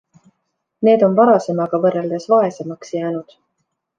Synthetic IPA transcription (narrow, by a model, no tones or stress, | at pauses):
ne̞ːd̪̥o̞nvɑɾɑse̞mɑɡ̥ɑvɤrːeld̪esvɑe̞semɑksjæːnud̪̥